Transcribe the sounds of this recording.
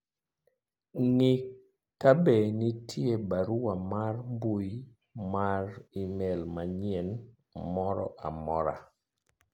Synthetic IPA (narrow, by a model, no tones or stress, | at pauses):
ŋɪ | kabenitʰjebaɾuwamarmbuj | maɾimɛlmaɲiɛn | mɔɾɔ̰ʔa̰mɔɾa̰